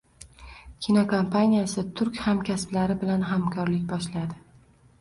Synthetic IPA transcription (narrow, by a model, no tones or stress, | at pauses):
kʲʰinɒkʰompʰanʲijasɪt̪ʰʊɾkʲhamkʲʰasblaɾɪbɪlanɦamkʰɒɾlɪkʲbɒʃlad̪ɪ